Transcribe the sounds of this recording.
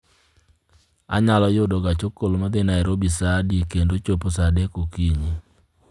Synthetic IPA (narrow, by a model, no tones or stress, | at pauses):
a̰ɲalɔjʊdɔɡat͡ʃokolmad̪ɪnaɛɾobisadikendot͡ʃoposadekokiɲi